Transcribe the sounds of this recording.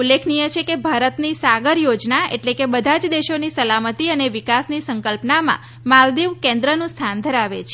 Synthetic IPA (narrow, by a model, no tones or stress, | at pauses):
ulːekʰnijət͡ʃʰekebʱaɾət̪nisaɡəɾjod͡ʒnaḛʈlekebəd̪ʱad͡ʒd̪eʃonisəlamət̪iəneʋikasnisəŋkəlpnamã̰ | mald̪iʋkẽnd̪ɾənũst̪ʰand̪ʱəɾaʋḛt͡ʃʰe